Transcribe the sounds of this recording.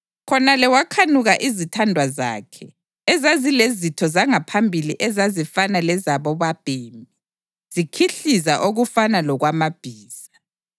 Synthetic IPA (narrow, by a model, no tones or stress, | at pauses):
kʰɔnalɛwakʰanuɣaʔizitʰandʱwaza̰ːkʰɛ | ɛzazilezitʰɔzaŋapʰambʱiliʔɛzazifanalɛzaβɔβab̥ʱiːmbʱi | z̥ikʰiɬizaʔoɣufanalɔɣwamab̥ʱiːz̥a